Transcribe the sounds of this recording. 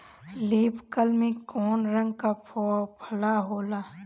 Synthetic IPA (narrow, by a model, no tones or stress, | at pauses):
liːpkəlmẽkɔːnɾə̃ŋɡkapʰopʰəlaɦoːlaː